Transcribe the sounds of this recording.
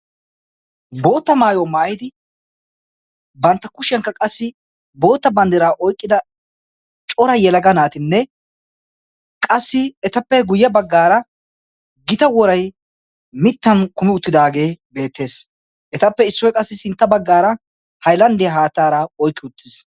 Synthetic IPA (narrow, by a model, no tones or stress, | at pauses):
bo̞ːt̪ːɐmaːjɔmaːjɪd̪ɪ | bɐnt̪ːɐkʊʃɪjɐŋkːɐkʼɐsːɪ | bo̞ːt̪ːɐbɐnd̪ɪɾaːʔɔjkʼːɪd̪ɐ | t͡ʃʼɔɾɐjɛlɐɡɐnaːt̪ɪnːɛ | kʼɐsːɪɛt̪ɐpːɛɡʊjːɐbɐɡːaːɾɐ | ɡɪt̪ɐwɔɾɐj | mɪt̪ːɐnkʊmɪʊt̪ːɪd̪aːɡe̞ːbe̞ːt̪ːe̞ːs | ʔɛt̪ɐpːɛɪsːɔjkʼɐsːɪsɪnt̪ːɐbɐɡːaːɾɐ | hɐjlɐnd̪ɪjɐɦaːt̪ːaːɾɐɔjkːɪʊt̪ːɪs